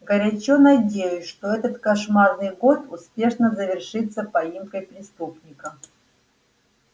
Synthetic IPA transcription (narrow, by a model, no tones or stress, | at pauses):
ɡəɾʲɐt͡ɕonɐdʲejʊsʲʂt̪o̞ɛt̪ət̪kɐʂmarnɨjɡo̞t̪ʊspʲe̞ʂnəzəvʲɪrʂɨt̪sːəpɐimkəjpɾʲɪst̪upnʲɪkə